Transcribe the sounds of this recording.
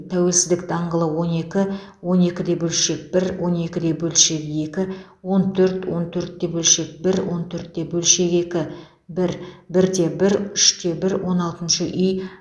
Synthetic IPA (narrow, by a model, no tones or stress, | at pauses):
t̪ʰæwe̞lsɪzd̪ɪk̚d̪̥ɑɴʁəlˠəwo̞ne̞kʲɪ | wo̞ne̞kʲɪd̪e̞bɵlʃe̞k̚b̥ɪɾwʔo̞ne̞kʲɪd̪e̞bɵlʃe̞ke̞kʲɪ | wo̞nt̪ʰɵɾt̪wo̞nt̪ʰɵɾt̪ːe̞bɵlʃe̞k̚bɪɾwo̞nt̪ʰɵɾt̪ːe̞bɵlʃe̞ke̞kʲɪ | bɪɾbɪɾd̪e̞bɪɾʏʃt̪e̞bɪɾwo̞nɑlˠt̪ənʃəʔʏj